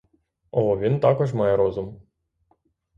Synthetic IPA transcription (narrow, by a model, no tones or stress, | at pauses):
ɔʋʲint̪ɑkɔʐmɑjɛɾɔzʊm